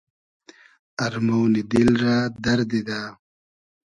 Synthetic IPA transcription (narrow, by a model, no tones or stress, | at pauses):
ɐɾmownid̪ilɾaːd̪ɐɾd̪id̪aː